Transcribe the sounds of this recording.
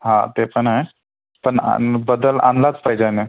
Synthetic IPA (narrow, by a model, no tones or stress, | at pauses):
ɦã̰t̪epəɳɦae | pəɳa̰bəd̪əlã̰nlat͡spaɦid͡ʑane